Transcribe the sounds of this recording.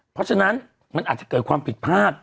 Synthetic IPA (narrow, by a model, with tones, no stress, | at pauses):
pʰɾɔ˦˥t͡ɕʰa˧na˦˥n | ma˧nʔaː˨˩t̚t͡ɕḁ˨˩kɤː˨˩t̪̚kʰwaː˧mpʰi˨˩t̪̚pʰaː˥˩p̚